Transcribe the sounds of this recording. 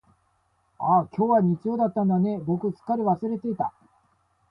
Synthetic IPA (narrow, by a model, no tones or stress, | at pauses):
akʲo̞ːβaɲ̟it͡sijo̞ːd̪at̪ːãnd̪ane̞bo̞kɯ̟t͡sɨ̥kːaɾʲiβasɨɾe̞t̪e̞it̪a